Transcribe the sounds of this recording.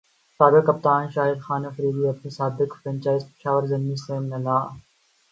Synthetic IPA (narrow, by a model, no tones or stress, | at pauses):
saːɡəkɐp̚t̪aːnʃaːɦɪd̪xaːnɐfɾiːd̪iːɐb̚nesaːbɪkfɾɐ̃nt͡ʃaːɪzpɪ̥ʃaːʋəɾzɐnmiseːmnɐlaː